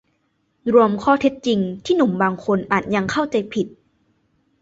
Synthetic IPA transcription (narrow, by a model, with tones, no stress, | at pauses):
ɾu˧əmkʰɔː˥˩t̪ʰe˦˥t̪̚t͡ɕi˧ŋt̪ʰiː˥˩nu˨˩˦mbaː˧ŋkʰo˧nʔaː˨˩t̪̚ja˧ŋkʰa˥˩wt͡ɕa˧jpʰi˨˩t̪̚